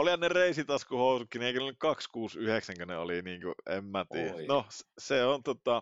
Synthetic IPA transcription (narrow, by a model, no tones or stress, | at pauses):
olihɑnnereˑisit̪ɑskuhoˑusukːinieˑikønnykkɑkskuːsyheksæŋkønḛo̰liniːŋkuḛmmæt̪iːjænosseont̪ot̪ɑ